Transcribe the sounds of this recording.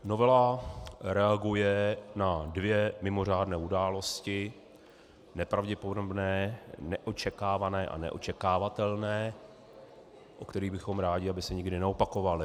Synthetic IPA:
no̞vɛlaɾɛaɡujɛnadvjɛmɪmo̞r̝aːdnɛːudaːlo̞scɪ | nɛpɾavɟɛpo̞dobnɛːnɛʔo̞t͡ʃɛkaːvanɛːʔa̰nɛ̰ʔo̞̰t͡ʃɛkaːvat̪ɛlnɛː | ʔokt̪ɛɾiːbɪxo̞mɾaːɟɪabɪsɛɲɪɡdɪnɛo̞pako̞valɪ

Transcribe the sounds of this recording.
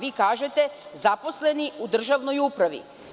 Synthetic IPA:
ʋiːkaːʒet̪ezapo̞sleniud̪r̩ʒaʋnojupɾaʋḭ

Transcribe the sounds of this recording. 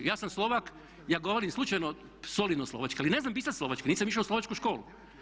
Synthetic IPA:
jaːsamslˠo̞ʋak | jaːɡo̞ʋoɾimslˠut͡ʃajno | solid̪nosloʋat͡ʃkealineznampisat̪slo̞ʋat͡ʃkeniːsamiʃlauslo̞ʋat͡ʃkuʃko̞ːlṵ

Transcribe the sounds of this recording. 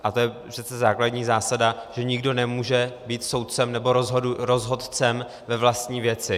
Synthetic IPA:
ʔat̪o̞jɛpr̥ɛt̪t͡sɛzaːkladɲiːzaːsadaʒɛɲɪɡdo̞nɛmuːʒɛbiːt̪so̞wt̪̚t͡sɛmnɛbo̞ɾozɦoduɾozɦo̞t̪t͡sɛm | vɛvlast̪ɲiːvjɛt͡sɪ

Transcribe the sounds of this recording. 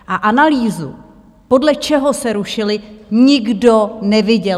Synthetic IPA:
ʔaʔanaliːzṵ | po̞dlɛt͡ʃɛɦosɛɾuʃɪlɪɲɪɡdo̞nɛvɪɟɛ

